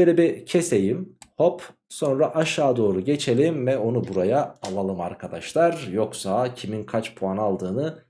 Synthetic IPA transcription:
eɾibicʰesejimho̞p | so̞nɾaʔaʃaːd̪o̞ːɾuɟe̞t͡ʃʰe̞lʲimvɛo̞nubuɾajaːlˠalˠɯmaɾkʰad̪aʃlˠaɾjo̞ksacʰiminkʰat͡ʃpʰuanalˠd̪ɯːnɯ

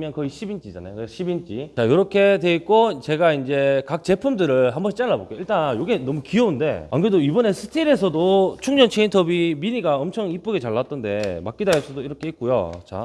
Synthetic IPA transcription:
mjʌnkʌiɕʰibint͡ɕ͈id͡ʑanajokɕʰibint͡ɕ͈it͡ɕajoɾʌkʰe̞dwe̞ik͈ot͡ɕe̞ɡaind͡ʑe̞kak̚t͡ɕe̞pʰumdɯɾɯɭɦambʌɕʰit͡ɕ͈aɭːabok͈eoiɭt͈anjoɡe̞nʌmukiʌunde̞̰a̰ŋɡɯɾedoibʌne̞sʰɯ̥tʰiɾe̞s̬ʰʌdot͡ɕʰuŋɲd͡ʑʌnt͡ɕʰeintʰʌbiminiɡaʌmt͡ɕʰʌŋip͈ɯɡet͡ɕaɭːat͈ɯnde̞mak͈idaesʰʌdoiɾʌkʰe̞ik͈ujo̰t͡ɕa̰

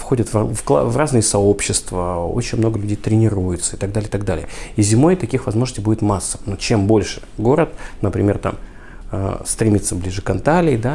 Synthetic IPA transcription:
fxo̞dʲɪt̪vvklˠa̰vraznɨjəsɐo̞pɕːɪst̪vəo̰t͡ɕɪnʲmno̞ɡəlʲʉdʲejt̪ɾʲɪnʲɪɾujɪt̪səɪt̪ɐɡ̚d̪alʲɪjɪt̪aɡ̚d̪alʲɪjəizʲɪmo̞jt̪ɐkʲixvɐzmoʐnəsʲtʲɪjbudʲɪt̪masːənot͡ɕembo̞lʲʂɨ̥ɡo̞ɾət̪̚nəpɾʲɪmʲe̞rt̪a̰m | ə̰st̪ɾʲɪmʲit̪səblʲiʐɨkɐnt̪alʲɪjd̪a

